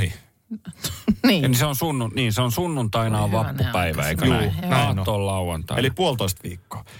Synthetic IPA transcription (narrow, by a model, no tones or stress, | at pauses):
hi | niseonsunːuniːnseonsunːunt̪ɑinɑːʋʋɑpːupæiʋæ̰eikæːnɑːtnːoːllɑuwɑnt̪ɑ̰elipuolt̪oist̪ʋḭːkːo̥ː